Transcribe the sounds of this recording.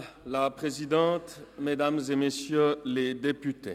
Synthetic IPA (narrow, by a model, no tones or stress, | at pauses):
lapχezid̪ɑ̃t̪med̪amzemesjøled̪epyt̪e